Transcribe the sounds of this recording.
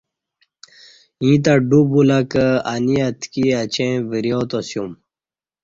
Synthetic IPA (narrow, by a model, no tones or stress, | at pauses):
ĩːt̪aɖubulɐkəaniɐt̪kiɐt͡ɕʰẽbiɾijot̪osjum